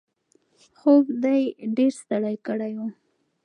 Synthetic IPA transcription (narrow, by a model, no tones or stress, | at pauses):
xoɡd̪ajɖeɾst̪aɽajkəɽaju